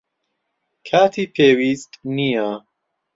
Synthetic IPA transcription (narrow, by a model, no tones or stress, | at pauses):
kʰaːt̪ʰipʰeːwist̪ʼnija